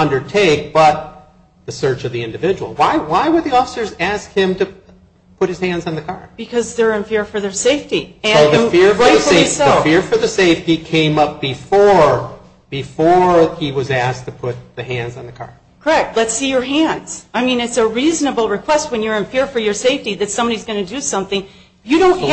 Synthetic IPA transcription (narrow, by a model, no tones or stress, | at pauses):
ʌ̃ndə˞tʰeɪk̚b̥ʌt̪̚ | ðɨsɜ˞t͡ʃʌvðiɪ̃ndɨvɪd͡ʒɨwl̩ˠwaɪwaɪwəd̪̚ðiɔfə̥sə˞zæskhɪ̃mtɨ | pʰʊt̚hɨz̥hæ̃ndzn̩ðɨkʰɑɹb̥ɨkʰʌzðə˞ɨ̃nfɪɹfə˞ðə˞seɪftiɨ̃ðfɪɹfəɨsɪsoəfɪɹfə˞ðɨseɪftikʰẽɪ̃mʌp̚b̥ɨfɔɹ | b̥ɨfɔɹiwʌzæs̚tʰɨpʰʊt̪̚ðɨhæ̃ndzn̩ðɨkʰɑ̰ɹ | kʰə˞ɛk̚tˡlɨtsijə˞ɦæ̃ndz̥aɪmĩnɨtsəɹiznəbl̩ˠɹɨkʰw̥ɛst̚wɨ̃njə˞ɨ̃nfɪɹfə˞jə˞seɪftiðɨtsʌ̃mbɑɾizɡʌnɨdɨsʌ̃mθɪ̃ŋ | jɨɾõʊ̃n